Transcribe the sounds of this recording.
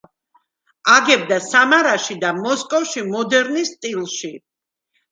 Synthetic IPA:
aɡɛb̚d̪asamaɾaʃid̪amɔskʼɔfʃimɔd̪ɛɾnist̪ʼilˠʃi

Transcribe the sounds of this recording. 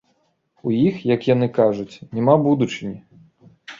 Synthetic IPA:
ujixjɐkjan̪ɨkaʐut͡sʲnʲɛmabud̪ut͡ʂɨnʲi

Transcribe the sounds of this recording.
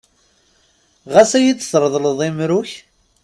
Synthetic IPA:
ʁæsæjit͡s̪ːsɾˤðˤləðˤimɾʊç

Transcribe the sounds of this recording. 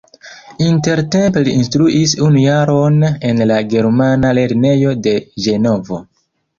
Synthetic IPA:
inte̞ɾte̞mpliinstɾuʔisunujaɾo̞ne̞nlaɡe̞ɾmanale̞ɾne̞jo̞de̞d͡ʒe̞no̞vo̞̰

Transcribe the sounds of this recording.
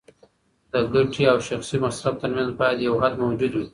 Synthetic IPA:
d̪̥əɡaʈʰiawʃaxsimasɾab̚t̪əɾmanzbɑjad̪jawɦad̪mawd͡ʒud̪wi

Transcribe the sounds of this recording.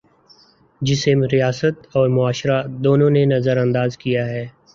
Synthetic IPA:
d͡ʒɪseɾijaːsət̪ɔːɾmʊaːʃɾad̪oːnõnenɐzəɾɐ̃nd̪aːzkijaɦɛː

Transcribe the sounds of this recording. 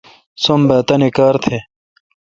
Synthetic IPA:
sombɐːt̪ɐnekaːɾt̪ʰe

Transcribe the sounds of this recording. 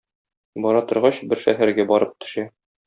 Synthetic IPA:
bɒɾɑt̪ŏɾʁɑɕbɘɾʃæɦæɾɡæbɒɾɤp̚t̪ɵ̥̆ʃæ

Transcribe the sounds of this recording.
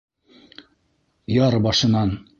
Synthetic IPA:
jɑɾbɑʃɤ̆nɑn

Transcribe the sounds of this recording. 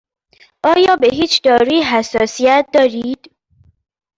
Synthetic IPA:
ʔɒːjɒːbeɦiːt͡ʃʰd̪ɒːɾuiɦæsːɒːsiæt̪̚ʰd̪ɒːɾiːd̪̥

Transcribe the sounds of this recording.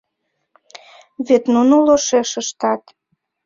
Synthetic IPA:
βet̪nunoloʃeʃəʃt̪ɑt̪

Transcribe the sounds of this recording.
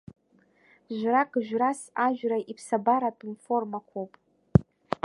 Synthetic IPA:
ʒʷrakʼʒʷᶣrasaʒᶣraʔipʰsabaɾapʼinformakʷʰowpʼ

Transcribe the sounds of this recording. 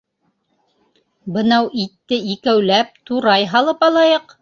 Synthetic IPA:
bɤ̆nɑwʔit̪ːɘikæwlæp̚t̪uɾɑjɦɑlˠɤpɑlˠɑjɤq

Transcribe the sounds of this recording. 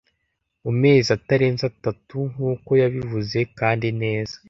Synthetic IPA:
ume̞ːziataɾe̞ːnzatatuŋuːko̞jaβivuze̞kaːndine̞ːz̥ḁ

